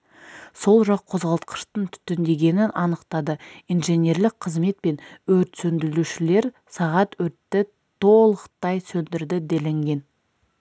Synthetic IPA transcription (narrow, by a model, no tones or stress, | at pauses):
so̞lˠʒɑqʰːo̞zʁɑlˠt̪qʰə̥ʃt̪əɴt̪ʰʏ̥t̪ːɪnd̪e̞ɡʲe̞nɪnɑnəqt̪ɑd̪əijnʒe̞nʲe̞ɾlɪk̚qʰəzme̞t̪̚pe̞nwɵɾt̪sɵnd̪ɪluʃɪle̞ɾ | sɑʁɑt̪wɵɾt̪ːɪ | t̪ʰo̞lˠəqt̪ɑjsɵnd̪ɪɾd̪ɪd̪elɪŋɡʲe̞n